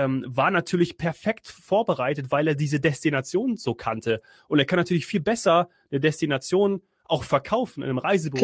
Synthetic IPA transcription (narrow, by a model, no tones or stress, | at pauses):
ɛmvaːɐnatʰyːɐlɪçpʰɛɐfɛktfoːɐbəʁaɪtətv̥aɪleːɐdiːzədɛstinat͡sjoːnzoːkʰantʰə | ʔʊnteːɐkʰanːatʰyːɐlɪçfiːlbɛsɐ | nədɛstinat͡sjoːn | ʔaʊxfɛɐkʰaʊfn̩ʔɪ̰nəmʁaɪzəb